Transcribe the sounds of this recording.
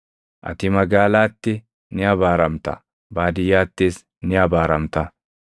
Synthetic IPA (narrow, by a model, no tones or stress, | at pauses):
ʔɐ̰t̪ɪmɐɡaːlaːt̪ːɛ | nɪɐbaːɾɐmt̪ɐ̰ | baːd̪ɪjaːt̪ːeːs | nɪabaːɾɐmt̪ɐ